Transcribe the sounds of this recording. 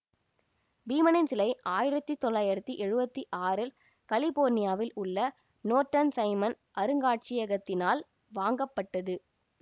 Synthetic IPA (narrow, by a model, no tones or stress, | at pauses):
biːmɐnɪnsɪlɐɪʔaːjɪɾɐt̪ːit̪ːɔlːaːjɪɾɐt̪ːiʔɛɻɯbɐt̪ːiʔaːɾɪl | kɐlɪboːɾnɪjaːʋɪlʊɭːɐ | noːɾʈːɐnsɐɪmɐn | ʔɐɾɯŋɡaːʈ̚t͡ʃɪjɐɣɐt̪ːɪnaːl | ʋaːŋɡɐpːɐʈːɐðɯ